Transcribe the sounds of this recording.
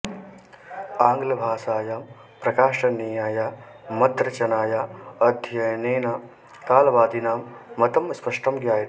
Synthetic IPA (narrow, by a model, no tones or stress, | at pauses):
aːŋɡlɐbʱaːsaːjaːm | pɾɐkaːʂɐniːjaːjaː | mɐt̪ɾɐt͡ʃɐnaːjaːɐd̪ʱjɐjneːna | kaːlɐʋaːd̪inaːmːɐt̪ɐmspɐʂʈɐmɡjaːjɐ